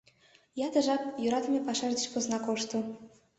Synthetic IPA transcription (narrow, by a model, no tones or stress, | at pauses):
jɑd̪ə̆ʒɑp̚juɾɑt̪əmʲepɑʃɑrd̪ə̆t͡ɕpoznɑkoʃt̪ŏ